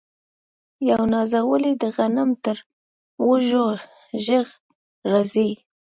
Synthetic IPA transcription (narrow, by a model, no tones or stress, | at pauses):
jawnɑzawəlid̪əɣanamt̪əɾ | wəʒo | ʒəɣ | ɾazi